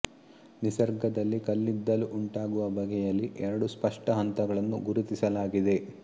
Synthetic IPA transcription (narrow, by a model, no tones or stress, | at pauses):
nisɐɾɡɐd̪ɐlːikɐlːid̪ːɐluʔuɳʈaːɡuʋɐbɐɡɛjɐlːiʔɛɾɐɽuspɐʂʈɐɦɐnt̪ɐɡɐɭɐnːṵɡuɾut̪isɐlaːɡid̪e̞